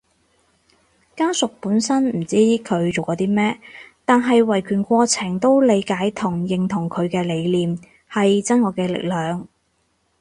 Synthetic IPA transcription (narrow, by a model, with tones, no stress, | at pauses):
kaː˥sʊ˨k̚puː˨˥nsɐ˥nm̩˨˩t͡siː˥kʰɵ˨˧ɥt͡ʃo˨wkɔː˨˧˥t̪iː˥mɛː˥t̪aː˨nɦɐ˨jwɐ˨˩jkʰyː˨˩nkʷɔː˧t͡sʰɪ˨˩ŋt̪o˥wle˨˧jkaː˨˥jt̪ʰʊ˨˩ŋjɪ˨ŋt̪ʰʊ˨˩ŋkʰɵ˨˧ɥkɛː˧le˨˧jliː˨m | hɐ˨jt͡sɐ˥nŋɔː˨˧kɛː˧lɪ̰˨k̚lœː˨˧ŋ